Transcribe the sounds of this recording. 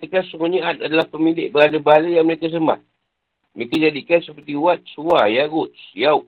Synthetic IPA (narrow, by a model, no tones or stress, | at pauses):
ikasuŋɔɲiat̪̚adalahpəmilɪʔ̚bəɦadabəɦalajaŋməɾekas̬əma̰ | mikad͡ʒadikansəpərt̪iwat̪̚suajaɣʊt̪sjawʔ̚